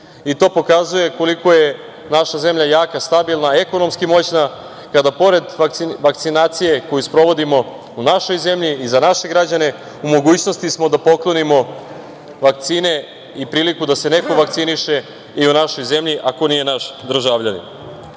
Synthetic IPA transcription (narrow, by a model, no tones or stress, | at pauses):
it̪o̞ːpo̞kazuje̞ko̞liko̞je̞ | naʃaze̞mʎajaːkast̪abilˠnae̞ko̞no̞mskimo̞t͡ɕna | kad̪apo̞ɾe̞d̪ʋak̪iʋak̚t̪sinaːt̪sije̞ko̞juspɾo̞ʋo̞d̪imo̞ | unaʃo̞jze̞mʎiːzanaʃe̞ɡɾad͡ʑane̞ | umo̞ɡuːt͡ɕno̞st̪ismo̞d̪apo̞klˠo̞nimo̞ | ʋak̚t̪siːne̞ | ipɾiːlikud̪ase̞ne̞ko̞ʋak̚t̪siniʃe̞ | iunaʃo̞jze̞mʎiʔako̞nije̞naʃd̪r̩ʒaʋʎanḭn